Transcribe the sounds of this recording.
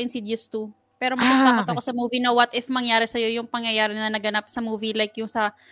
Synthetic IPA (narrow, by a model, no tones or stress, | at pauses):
ɪnsid̪jʊst̪u | pɛːɾo̞mɐɡat̪aɐt̪ɐko̞sɐmuːvinɐwɐt̪ʔɪfmɐŋjaːɾɛsɐjo̞jʊŋpɐŋjɐjaːɾɪnɐnɐɡɐnap̚sɐmuːvilajkjʊŋsɐ